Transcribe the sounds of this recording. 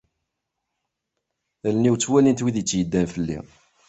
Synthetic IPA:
ðælniwt͡sːwælint̪wiðit͡sːjəd̪ːænfəlːḭ

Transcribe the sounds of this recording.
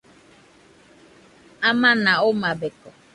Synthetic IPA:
amanaʊmabekɔ

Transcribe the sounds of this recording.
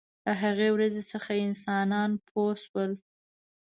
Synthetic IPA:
ləɦaɣewɾazesəxaɪnsɑnɑnpʰoswəl

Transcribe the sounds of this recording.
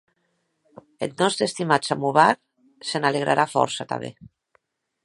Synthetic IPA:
et̪nɔst̪ɾest̪imasamuβaɾ | senaleɣ̞ɾʔa̰ɾʔafɔ̰ɾsat̪a̰βḛ

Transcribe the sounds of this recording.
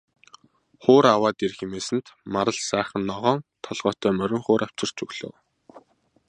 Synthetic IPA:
χʊːɾawaːt̪erxemeːsɘ̆nt̪maɾə̆ɮsæːχə̆nːɔʁɔːŋt̪ʰɔɮʁɔːt̪ʰœːmœɾʲɪ̆ŋχʊːɾʔaw̥t͡ɕɪ̆r̥t͡ɕɵɣɮo̰ːw

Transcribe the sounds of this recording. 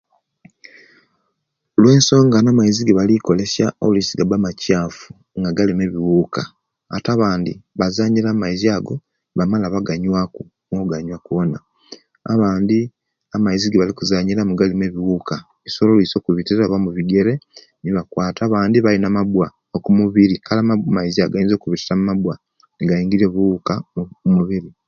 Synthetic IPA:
lwe̞ːnso̞ːŋɡanamaiziɡiβaliko̞le̞sjaolisiɡabamacaːfu̥ | ŋɡaɡalimeβiwuːka̰ː | taβaːndiβazaɲilamaiziaɡo | βamalaβaɡaɲwaku | ŋɡouɡaɲwakuβona̰ː | βaːndi | amaiziɡeβalikuzaːɲilamuɡalime̞βiwuːka | isololiso̞kuβitiɾaβamuβiɡe̞ɾe̞ | niβakwaːtaβaːndiβalinamabwa | okumuβiɾikʰalamamaiziaɡajiːnzokuβitiɾamumabwa | niɡaiːŋɡiɾeβukaumuβiɾi

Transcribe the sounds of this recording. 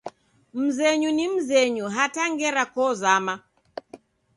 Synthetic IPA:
m̩zɛɲunim̩zɛɲuɦataŋɡɛɾakɔzama

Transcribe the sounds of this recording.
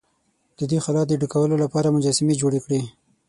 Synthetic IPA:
d̪̥əd̪ixalɑfd̪əɖukawəlolapɑɾamʊd͡ʒɑsɪmed͡ʒoɽekɽi

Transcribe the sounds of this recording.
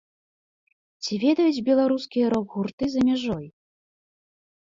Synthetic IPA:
t͡sʲivʲɛd̪ɐjud͡zʲbʲɛlˠaɾuskʲijɐɾɔɡɣurt̪ɨzɐmʲaʐɔj

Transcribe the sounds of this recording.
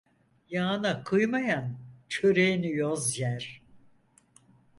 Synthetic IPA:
jaːnakʰɯjmajant͡ʃʰøɾejinijozjæɾ̥

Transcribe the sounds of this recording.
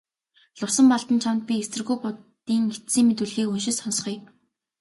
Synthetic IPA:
ɮʊsə̆mpɔɮt̪ə̆nt͡ɕʰamt̪̚pʲiesɘ̆rɣujpʊt̪iːŋe̥t̪siːŋmet̪̬ŭɮɣeːunʃɪ̆sɔnsχiː

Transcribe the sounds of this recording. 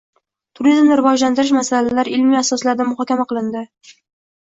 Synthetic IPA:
t̪ʰʊɾizmnɪɾɪvɒd͡ʒlant̪ɪɾɪʃmasalalaɾɪlmiasɒslaɾd̪amʊχɒkʲamaqʰɨlˠɪnd̪ɪ

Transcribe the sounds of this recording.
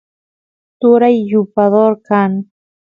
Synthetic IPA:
t̪ʊɾajːʊpaðoɾkaŋ

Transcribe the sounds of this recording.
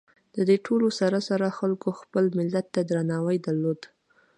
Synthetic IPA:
d̪̥əd̪eʈʰolosaɾasaɾaxalkoxpəlmɪlːat̪ːad̪ɾanɑwəjd̪aɾlod̪

